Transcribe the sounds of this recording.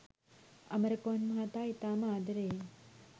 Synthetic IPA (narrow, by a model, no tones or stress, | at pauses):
ɐmɐɾɐkoːnmaːt̪aːit̪aːmaːd̪ɐɾeː